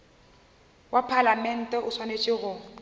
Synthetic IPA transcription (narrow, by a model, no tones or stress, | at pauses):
wapʰalamɛn̩tʼɛʔʊswanet͡ʃʼɪɣʊ